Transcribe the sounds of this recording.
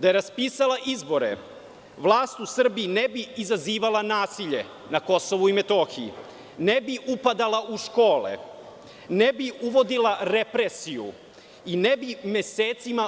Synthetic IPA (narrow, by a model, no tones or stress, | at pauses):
d̪ajeɾaspiːsalaʔizbo̞ɾḛ | ʋlˠaːst̪usr̩biːnebiizaziːʋalanaːsiʎe̞ | nako̞soʋuimet̪oːxiḭ | nebiʔupad̪alaʔuʃkoːlḛ | nebiuʋo̞d̪ilˠaɾepɾesijṵ | inebime̞seːt̪sima